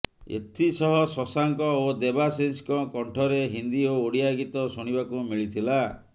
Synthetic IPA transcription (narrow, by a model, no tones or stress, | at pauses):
ḛt̪ʰisɔɦɔsɔsaŋkɔod̪ebasenskɔkɔɳʈʰɔɾeɦind̪iooɽiaɡit̪ɔsuɽ̃ibakumiɭit̪ʰila